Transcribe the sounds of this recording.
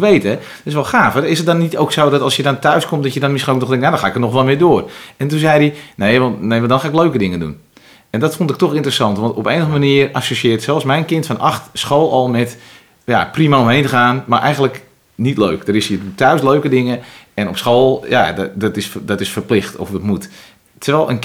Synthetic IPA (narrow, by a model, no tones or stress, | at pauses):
ʋejtɛ | dtɪsʋɛlˠxaːfəɪsət̚dɔnːitoːksowdɔtɑlˠsjədɔntœɥskomtdɔtjədɔnmɪsxinolknɔxdɛŋtnjadɔnxaːɪkənɔxʋɔlˠmɪədoərɛntunzɛjdinejʋnnejʋndɔnxaːɪkløɥkədɪŋədṵn | ɛndɔtfʊntɪk̚tɔxɪntrəsɑntʋɑntɔpejnəxəmaniəra̰soʃɪːtsɛlˠsmɛjnkɪntfɔnaxtsxoːlˠɔlˠmɛt | ja̰primaomɦejntəxaːnmarʔɛ̰jɣən̩lək | nitløːkdəɾɪsjətœɥsløːkədɪŋəɛnɔpsxoːlˠja̰ddɔtɪsdɔtɪsfərplɪxtɔ̰fətmut | tʰərʋɛlˠə̰n